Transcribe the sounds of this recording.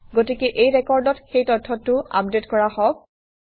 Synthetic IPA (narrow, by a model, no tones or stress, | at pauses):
ɡotikɛʔejɹɛkɔɹdɔtxejtɔtʰːɔtːʊa̰p̚detkɔɹahɔb̚